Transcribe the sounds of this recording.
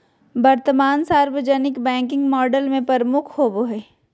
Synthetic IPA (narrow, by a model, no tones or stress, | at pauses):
bɐɾt̪əmaːnsaːɾwəd͡ʒənɪkbɛ̃ːŋkɪ̃ŋɡmɔːɖəlmẽpɐɾəmʊkʰhoːboɦɛː